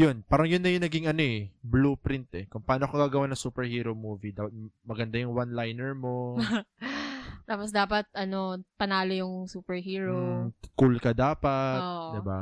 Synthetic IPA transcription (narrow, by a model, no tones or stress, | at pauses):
jonpaːɾɐŋjʊnːɐjʊŋnɐɡiŋɐno̞ʔɛbluːpɾɪnt̪ɛkʊŋpɐʔaːnoɐkoɡaːɡɐwanɐŋsuːpɛɹhiːɾomuːvid̪aːpɐt̪̚mɐɡɐnd̪ajʊŋwanlajnɛɹmo̞ | t̪aːposd̪aːpɐt̪̚ʔɐno̞pɐnaːlojʊŋsuːpɛɹɦiːɹokulkɐd̪aːpɐʔ̚d̪ɪba